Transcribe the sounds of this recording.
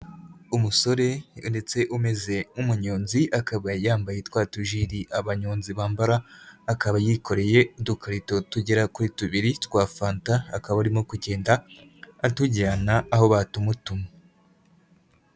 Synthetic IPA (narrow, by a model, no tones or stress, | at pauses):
umuso̞ɾe̞nde̞t͡se̞ʔume̞ze̞umuɲoːnziʔakaβajaːmbajetwaːtuʒiɾiʔaβaɲoːnziβaːmbaɾaːkaβajikʰo̞ɾe̞je̞dukaɾito̞tuɟeɾakuɾituβiɾitwaːfaːntaːkaβauɾimo̞kuɟe̞ːndaː | tuɟaːnaːho̞βatumutuma